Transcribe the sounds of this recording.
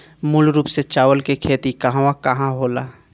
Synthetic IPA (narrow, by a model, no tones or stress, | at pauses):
mulɾuːpset͡ʃaːʋəlkekʰeːt̪ikəɦãakɐɦãɦoːlaː